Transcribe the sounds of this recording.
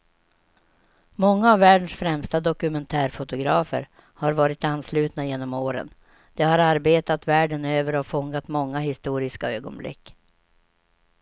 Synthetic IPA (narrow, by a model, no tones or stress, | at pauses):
mɔŋːaːvːæːɖənsfɾɛmst̪ad̪ɔkɵmɛnt̪ʰæːɾfʊt̪ʊɡɾɑːfə̰ɾ | haɾvɑːɾɪt̪anːslʉ̟ːt̪najeːnɔmoːɾə̰n | d̪̥ɛhaɾaɾbeːt̪at̪væːɖənøːvəɾɔfɔŋːat̪mɔŋːaɦɪst̪uːɾɪskaøːɡɔ̰nblɪ̰kː